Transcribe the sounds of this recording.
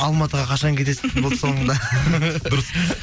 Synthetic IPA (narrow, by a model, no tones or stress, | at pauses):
ɑlˠmɑt̪əʁɑqʰɑʃɑŋkʲʰezesɪblˠt̪so̞ɴənd̪ɑd̪ʊɾəs